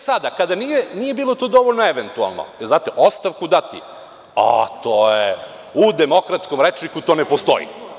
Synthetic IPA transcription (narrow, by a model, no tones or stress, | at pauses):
sad̪akad̪anijeniːje̞biːlˠot̪oːd̪o̞ʋoʎʲnoeʋent̪ua̰lˠno̰zaːt̪eʔost̪aʋkud̪at̪ḭ | a̰t̪oje | ud̪emo̞kɾat̪sko̞mɾet͡ʃnikut̪o̞ːnepost̪o̞̰ḭ